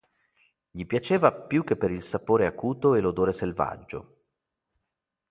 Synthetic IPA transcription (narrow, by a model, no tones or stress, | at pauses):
ʎipjat͡ʃeːvapjuk̟ːepːeɾilsapoːɾeakuːt̪oelod̪oːɾeselva̰d͡ʒːo̰